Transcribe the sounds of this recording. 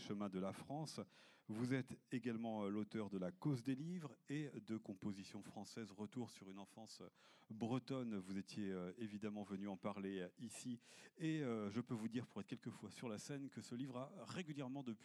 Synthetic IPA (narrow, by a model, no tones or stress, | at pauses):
ʃəmɛ̃d̪əlafχɑ̃svuzɛt̪eɡalmɑ̃lot̪œʁd̪əlakozd̪elivʁed̪əkɔ̃pozisjɔ̃fχɑ̃sɛzʁət̪uʁsyʁynɑ̃fɑ̃sbʁət̪ɔnvuzet̪jeøevid̪amɑ̃vənyɑ̃paʁleisieøʒəpøvud̪iʁpuʁɛt̪χkʲɛlkəfwasyʁlasɛnkəsəlivʁaʁeɡʲyljɛʁmɑ̃d̪əpɥi